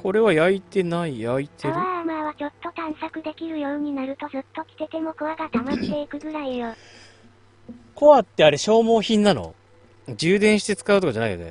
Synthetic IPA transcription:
ko̞ɾe̞βajait̪e̞naijait̪eɾβɯamaβat͡ɕʲo̞t̪ːo̞t̪ãɰ̃sakɯ̟d̪e̞kʲiɾɯ̟joːɲ̟inaɾɯ̟t̪o̞zɨt̪ːo̞kʲi̥t̪e̞t̪e̞mo̞koβaɡat̪amat̪e̞ikɯ̟ɡɯ̟ɾaijo | ko̞βat̪ːe̞aɾe̞ɕo̞ːmo̞ːçĩnːano̞̰ | d͡ʑɨːd̪ẽ̞ɰ̃ɕi̥t̪e̞t͡sɨ̥kaɯt̪okad͡ʑanaḭjo̰ne̞̰

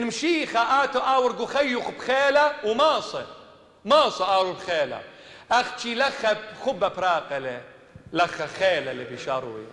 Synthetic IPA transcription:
nmʃiːxaʔaːt̪aʔaːwɪɾɡuxajːʊxbxeːlawmɑːsˤɨ | mɑːsˤɨʔaːɾubxeːla̰ | ʔaxt͡ʃilaxːabxʊbːabɾɑːqale | laxaxeːlalibiʃɑɾˤṵːja̰

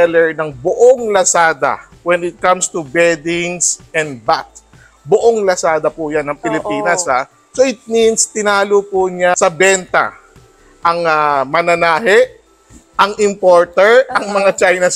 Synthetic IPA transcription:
ɛlɛɹnɐŋbʊʔoŋlɐsaːd̪ɐ̰ | wɛnɪt̪̚kɐmst̪ubɛd̪ɪŋsɛ̃nd̪̚bat̪̚ | bʊʔoŋlɐsaːd̪ɐpujanːɐŋpɪlɪpiːnɐsa | soʔɪt̪̚minst̪ɪnaːlopʊɲasɐbɛnt̪ɐ̰ | ʔɐŋamɐnɐnaːɦɛʔ | ʔɐŋʔɪmpoɹt̪ɛɹɐŋmɐŋat͡ʃajnɐs

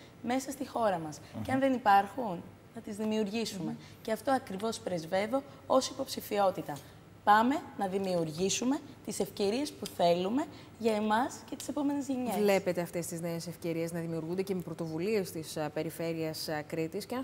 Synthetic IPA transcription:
me̞sɐst̪ixo̞ɾɐmɐsceɐnðe̞nipɐɾxun | nɐt̪izðimiuɾʝisume̞ | ceɐft̪o̞ɐkɾivo̞spɾe̞zve̞ðo̞ | o̞sipo̞psifio̞t̪it̪ɐ | pɐme̞nɐðimiuɾʝisume̞t̪ise̞fce̞ɾie̞spuθe̞lume̞ | ʝɐemɐscet̪i̥se̞po̞me̞nezʝeɲele̞pe̞t̪e̞ɐft̪e̞st̪izne̞ese̞fce̞ɾie̞znɐðimiuɾɣund̪e̞cemepɾo̞t̪o̞vulie̞st̪ispe̞ɾife̞ɾiɐskɾit̪isce

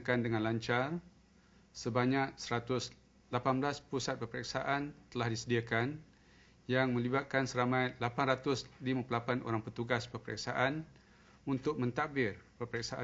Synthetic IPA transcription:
kandəŋãnlaɲt͡ʃar | səbaɲak̚səɾat̪ʊs | lapanbəlaspusat̪̚pərpəɾɛksaʔant̪əlahdisədiakan | jaŋmə̃libat̪̚kansəɾamãjt̪lapanrat̪ʊslimapəlapanʔo̰ɾaŋpət̪uɡaspəpəɾɛ̰ksaʔan | unt̪ʊk̚mə̃nt̪akbɪrpərpəɾɛk̚saʔa

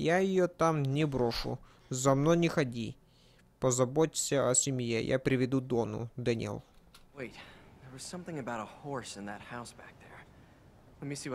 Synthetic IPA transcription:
jajɪjot̪amnʲɪbɾɔʂʊ̰ | zɐmnojnʲɪxɐdʲi | pɐzɐbɔtʲɪ̥sʲɐɐsʲɪmjḛjʔa̰pɾʲɪʋʲɪd̪ud̪ɔnʊ̰d̪ɐnʲḭlˠweɪt̪̚ðə˞wʌz̥sʌ̃mθɪ̃ŋɨbaʊɾəhɔɹsɨ̃nðɨt̚haʊsb̥æk̚ðə˞ | lɛt̚misi

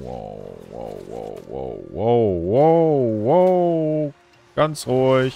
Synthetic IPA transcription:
wo̰wo̰ʊwo̰ʊwo̰ʊwoʊwoʊwo | ɡ̥ant͡sʁʊɪç

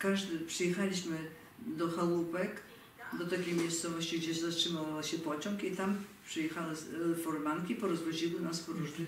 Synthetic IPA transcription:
kaʐd̪ɘpʂɨjɛxalʲiɕmɘ | d̪ɔxalupɛk | d̪ɔt̪akʲejmʲjejst̪sɔvɔɕt͡ɕiɡd͡ʑɛɕɛzastʂɘmawvaɕɛpɔt͡ɕɔŋkit̪ampʂɨjɛxawɘfɔɾmankʲipɔɾɔzvɔʑiwɘnaspɾuʐd̪ʲɛ

